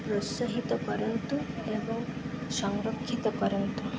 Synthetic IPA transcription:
pɾosəɦit̪əpəɾənt̪uebəŋsaŋɾokʰːit̪əpəɾənt̪u

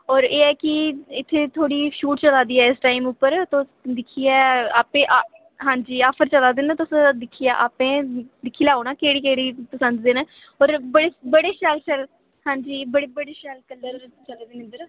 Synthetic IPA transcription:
ɔːɾeːɛːkɪɪt̪ʰːeːt̪ʰoːɽiːʃuːʈt͡ʃəlaːd̪iːɛːɪsʈaːimʊpːəɾt̪osd̪ɪkʰiɛːaːpẽːʔa | ɦãːɲd͡ʒiːaːpʰəɾt͡ʃəlaːd̪eːnt̪ʊsd̪ɪkʰːijaːʔa̰ːpẽːd̪ɪkʰːiːlaːoːnaːkeːɽiːkeːɽiːpəsənd̪d̪eːnː | ɔːɾbəɽeːbəɽeːʃəlt͡ʃəl | hãːɲd͡ʒiːbəɽeːbəɽeːʃəlkəlːəɾt͡ʃəleːd̪eːnɪnd̪əɾ

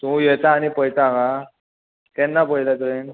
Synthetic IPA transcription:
t̪ũjɛt̪aːñipəjt̪aka | t̪ɛnːapəjlat̪en

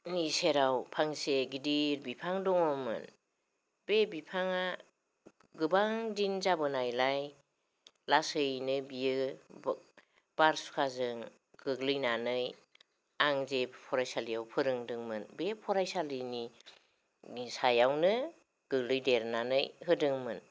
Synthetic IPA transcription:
niseɾawpʰaŋseɡidiɾbipʰaŋdɔŋɔmɯ̰n | b̥ebipʰaŋa | ɡɯbaŋdinzabɯnajlaj | lasɯjnɯbiɯ | b̥aɾsu̥kʰazɯŋ | ɡ̥ɯɡlɯjnanɯj | aŋzepʰɔɾajsalijawpʰɯɾɯŋdɯŋmɯnbepʰɔɾajsalɯni | sajawnɯ | ɡ̥ɯɡlɯjdeɾnanɯjɦɯdɯŋmɯn

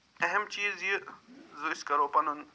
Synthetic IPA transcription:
ɐɦemt͡ʃiːzjizuiskɐɾoːpɐnun

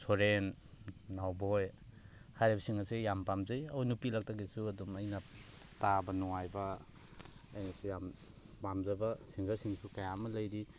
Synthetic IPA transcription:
sʰoɾenː | awbɔj | hajɾebɐsiŋasejampamzajawnupilak̚taɡisuɐdumɐjnɐ | tabɐnɔŋajbɐː | jnasujam | pamzabɐsiŋɡaɾsiŋsukajamɐlɐjɾi

